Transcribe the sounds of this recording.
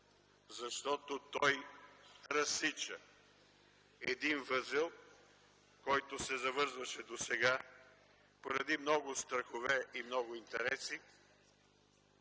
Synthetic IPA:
zɐʃt̪ɔt̪ot̪ɔj | ɾɐsit͡ʃə | ɛd̪invəzɛlˠ | kɔjt̪osɛzɐvɤɾzvɐʃɛd̪osɛɡa | poɾɐd̪imnɔɡʊst̪ɾɐxovɛimnɔɡʊint̪ɛɾɛsi

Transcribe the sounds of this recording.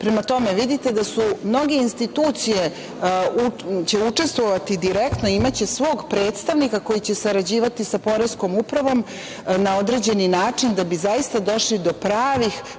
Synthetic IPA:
pɾemat̪o̞meʋid̪it̪ed̪asumno̞ɡe̞inst̪it̪uːt̪sije | ut͡ɕeut͡ʂe̞st̪ʋoʋat̪id̪iɾekt̪noiimat͡ɕe̞sʋo̞ːɡpɾe̞ːt̪st̪aʋnikako̞jit͡ɕe̞saɾad͡ʑiːʋat̪isapo̞ɾesko̞mupɾaʋo̞m | nao̞d̪ɾe̞ːd͡ʑe̞ninaːt͡ʂind̪abizaist̪ad̪o̞ʃlid̪o̞pɾaːʋix

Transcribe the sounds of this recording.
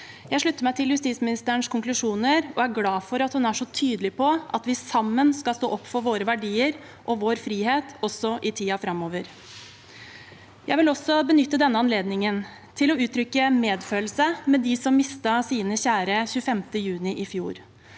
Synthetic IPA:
jæɪʂɭʉt̪ːəmæɪt̪ʰɪljʉst̪iːsmɪnɪst̪əəɳʂkʰʊŋklʉʂuːnəɾɔæɾɡlɑːfɔɾɑt̪hʉnæʂɔt̪ʰyːd̪əlɪpʰɔʔɑt̪ʋɪsɑmːənskɑlst̪o̰ːʔɔpːfɔɾʋoːɾəʋæɖiːəɾ | ʔɔʋoːɾfɾiːheːt̪ɔsɔʔɪt̪ʰiːɑfɾɑmːoːʋəɾ | jæɪʋɪlɔsɔbənʏt̪ːəd̪ɛnːəɑnleːd̪nɪŋən | t̪ʰɪlɔʉːt̪ʰɾʏkːəmeːd̪føːlsəmɛd̪ɪsɔmːɪst̪ɑsiːnəɕæːɾəçʉːəfɛmt̪əjʉːnɪʔɪfjuːɾ

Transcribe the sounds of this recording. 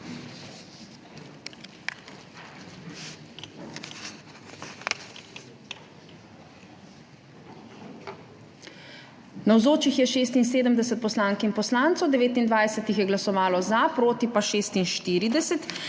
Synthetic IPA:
nawzoːt͡ʃixjɛʃeːst̪ins̬eːd̪əmd̪ɛsɛt̪̚pɔslaːŋkinpɔslaːnt̪sɔwd̪ɛʋeːt̪ind̪ʋaːjsɛt̪ixjɛɡlasɔʋaːlɔzapɾoːt̪ipaʃeːst̪inʃt̪iːɾid̪ɛsɛt̪

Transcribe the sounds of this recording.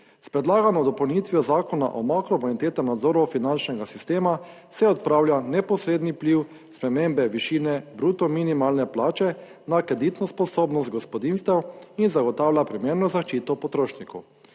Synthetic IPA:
spɾɛd̪laːɡanɔd̪ɔpɐwnit̪ʋijɔzaːkɔna̰ʔɔmakɾɔmalit̪eːt̪amnad̪zoːɾɔfinant͡ʃnɛɡasist̪eːma | sɛɔt̪̚pɾaːwljanɛpɔsɾeːd̪nipliw | spɾɛmembɛʋiʃiːnɛbɾut̪ɔminimaːlnɛplaːt͡ʃɛ | nakɾɛd̪it̪nɔspɔsoːbnɔst̪̚ɡɔspɔd̪inst̪ɛwinzaɡɔt̪aːwlʲjapɾimeːɾnɔzaʃt͡ʃiːt̪ɔpɔt̪ɾoːʃnikɔw

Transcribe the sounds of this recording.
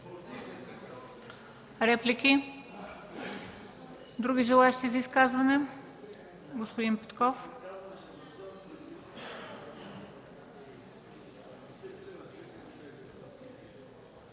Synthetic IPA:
ɾɛplikʲi | d̪ɾuɡiʒɛlˠaɛʃt̪izɐiskazvanɛ | ɡospod̪inpɛ̥t̪kɔf

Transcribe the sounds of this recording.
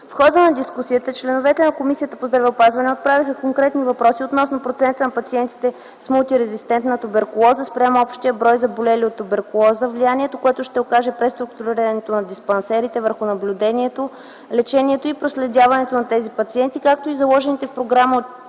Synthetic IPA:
fxɔd̪ənɐd̪iskusiət̪ət͡ʃlɛnovɛt̪ɛnɐkomisijət̪əpozd̪ɾɐvɛʊpazvɐnɛot̪̚pɾavixəkoŋkɾɛt̪nivɐpɾɔsiot̪nɔsnopɾot̪sɛnt̪ənɐpɐt̪siɛnt̪i̥t̪ɛ | smulˠt̪iɾɛzist̪ɛnt̪nɐt̪ubɛɾkʊlˠɔzəspɾʲamɔpʃt̪iəbɾɔjzɐbolɛliot̪ːʊbɛɾkʊlˠɔzəvlianiɛt̪okoɛt̪ʊʃt̪ɛokaʒɛpɾɛst̪ɾʊkt̪uɾɾiɾɐnɛt̪onɐd̪ispɐnsɛɾit̪ɛvəɾxʊnɐblʲud̪ɛniɛt̪o | lɛt͡ʃɛniɛt̪oipɾoslɛd̪ʲavɐnɛt̪onɐt̪ɛzipɐt̪siɛnt̪ikak̚t̪oizɐlˠɔʒɛnit̪ɛfpɾoɡɾaməo

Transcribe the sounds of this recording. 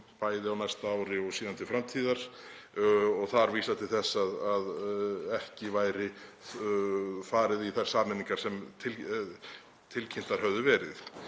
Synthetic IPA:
paːjðɪawnajst̪aaːwɾɪɔɣsiːðant̪ɪfɾamt̪ʰiːðaɾ̥ | ɔɣθaɾviːsat̪ʰɪlθɛsːaðaðɛhcɪvaːjɾɪ | faːɾɪðiθajɾ̥saːnɪniŋkaɾ̥sɛmt̪ʰɪl | t̪ʰɪlcʰɪn̥t̪aɾ̥hœvðʏvɛːɾɪ̰θ

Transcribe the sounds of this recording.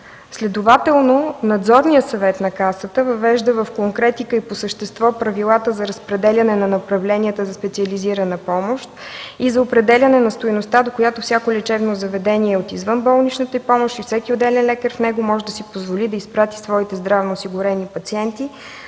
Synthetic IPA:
slɛd̪ovat̪ɛlˠnonɐd̪zɔɾnijəsɐvɛt̪nɐkasət̪əvɐvɛʒd̪əvəfkoŋkɾɛt̪ikəiposəʃt̪ɛst̪vɔpɾɐvilˠat̪əzɐɾəspɾɛd̪ɛlʲɐnɛnɐnɐpɾɐvlɛniət̪əzɐspɛt̪siəliziɾɐnəpɔmoʃt̪izɐopɾɛd̪ɛlʲɐnɛnɐst̪ojnost̪ad̪okojat̪ofsʲjakolʲɛt͡ʃɛvnozɐvɛd̪ɛniɛot̪izvɤnbɔlˠnit͡ʃnət̪əipɔmoʃt̪ifsɛkʲiod̪ɛlɛnlɛkəɾfnɛɡomɔʒɛd̪ɐsipozvolid̪ɐispɾat̪i̥svɔit̪ɛzd̪ɾavnoːsiɡʊɾɛnipɐt̪siɛnt̪i

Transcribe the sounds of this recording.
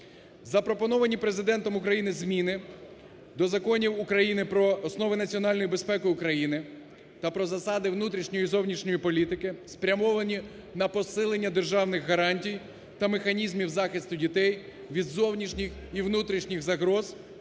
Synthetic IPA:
zɐpɾɔpɔnɔʋɐnʲipɾe̞zɪd̪ɛnt̪ɔmʊkɾɐjinɪzmʲinɪ | d̪ɔzɐkɔnʲiwukɾɐjinɪpɾɔːsnɔʋɪnɐt͡sʲiɔnɑlʲnɔjibe̞spɛkʊjʊkɾɐjinɪ | t̪ɐpɾɔzɐsɑd̪ɪwnut̪ɾʲiʃnʲɔjizɔwnʲiʃnʲɔjipɔlʲit̪ɪkɪspɾʲɐmɔʋɐnʲi | nɐpɔsɪlˠenʲːɐd̪erʒɑwnɪxɦɐɾɑnʲtʲij | t̪ɐmexɐnʲizmʲiwzɑxɪst̪ʊdʲit̪ɛj | ʋʲid̪zɔwnʲiʃnʲixiʋnut̪ɾʲiʃnʲiɣzɐɦɾɔz

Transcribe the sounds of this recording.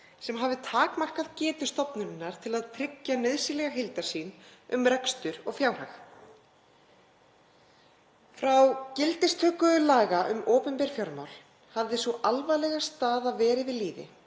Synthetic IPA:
sɛmɦaːvðɪt̪ʰaːkmar̥kaðcɛːt̪ʏ̥st̪ɔpnʏnɪnːaɾ̥t̪ʰɪlaðt̪ʰɾɪcːanœðsɪlɛɣaɦɪlt̪aɾ̥siːnʏmɾɛkst̪ʏɾɔɣfjaːwr̥ax | fɾawcɪlt̪ɪst̪ʰœːkʏʏlaːɣaʔʏmoːpʏmpɛɾ̥fjɔɾma̰wl | havðɪsvuʔalvajlɛɣast̪aːðavɛːɾɪvɪðliːvɪ̰

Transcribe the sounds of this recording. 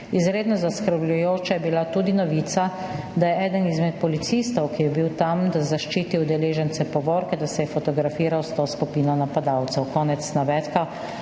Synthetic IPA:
izɾeːd̪nɔzaskɾəɾblʲjujoːt͡ʃajɛbilat̪uːd̪inɔʋiːt̪sa | d̪ajɛʔɛːd̪ənizmɛt̪̚pɔlit̪sist̪ɔwkijɛbiwt̪amd̪azaʃt͡ʃiːt̪iwd̪ɛleːʒɛnsɛpɔʋɔːɾkɛd̪asɛjɛfɔt̪ɔɡɾafiːɾawst̪oːskupiːnɔnapad̪awt̪sɛwkɔːnɛt̪snaʋɛt̪ka

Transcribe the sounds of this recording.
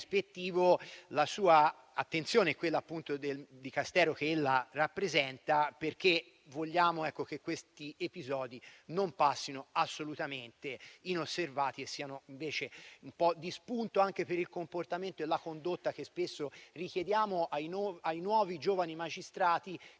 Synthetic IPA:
spet̪ːiːvolasuːa | at̪ːent̪sjoːneɛkːwelːaːpːunt̪od̪eld̪ikast̪ɛːɾokeelːarapːɾezɛnt̪aperk̟e | voʎːaːmoɛkːok̟ekːwest̪iepizɔːd̪inompasːinoasːolut̪ament̪einosːervaːt̪iesːiːanoiɱveːt͡ʃeumpɔd̪ːispunt̪oaŋk̟epeɾilkomport̪ament̪oelːakond̪ot̪ːak̟espesːorikjed̪jaːmoʔajnɔajnwɔːvid͡ʒoːvanimad͡ʒist̪ɾaːt̪i

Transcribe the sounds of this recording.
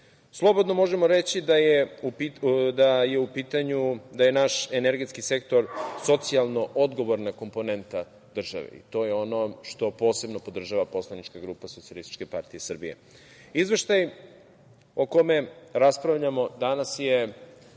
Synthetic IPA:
slˠo̞bo̞d̪nomo̞ʒemoɾet͡ɕid̪ajeid̪aje̞upiːt̪aɲud̪aje̞naʃeneɾɡe̞t̪skise̞kt̪o̞ɾso̞t̪sialˠno̞ʔod̪ɡo̞ʋoɾnako̞mpo̞ne̞nt̪a | d̪r̩ʒa̰ʋḛḭt̪o̞ːjeo̞no̞ʃt̪o̞po̞ːse̞bno̞po̞d̪r̩ʒaʋapo̞slˠanit͡ʃkaɡɾuːpasotsialist̪i̥t͡ʃke̞paɾt̪ijesr̩bḭje̞̰ | izʋe̞ʃt̪aj | oko̞me̞ɾaspɾaʋʎamo̞d̪anasje

